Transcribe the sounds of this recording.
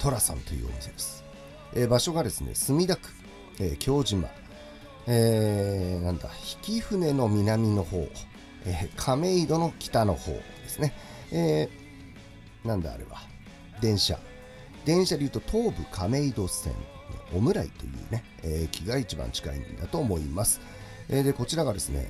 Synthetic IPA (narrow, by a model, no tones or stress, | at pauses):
t̪o̞ɾasã̰nt̪o̞jɯ̰ːo̰msemasɨ̥ | eːbaɕo̞ɡad̪e̞sɨnḛsɨmʲid̪akɯ̟̥ | eːkʲʰo̞ːʑima̰ | eːnãnd̪a̰çi̥kʲiɸɯ̟ne̞no̞mʲinamʲino̞ho̞̰ː | ekʰame̞id̪o̞no̞kʲi̥t̪ano̞̰ho̞̰ːd̪̥e̞sɨne̞ | eː | nãnd̪aa̰ːɾḛba | d̪ẽ̞ɰ̃ɕa̰ | d̪ẽ̞ɰ̃ɕad̪ejɯ̟ːt̪o̞t̪ʰo̞ːbɯ̟kʰame̞id̪o̞sẽ̞̰ɴ̰ | o̞mɯ̟ɾaḭt̪o̞̰jɯ̟ːne̞ | ekʲiɡait͡ɕibã̰ɲ̟t͡ɕi̥kaḭnd̪at̪o̞ːmo̞imasɨ̥ | ed̪e̞ko̞t͡ɕiɾaɡad̪e̞sɨne̞̰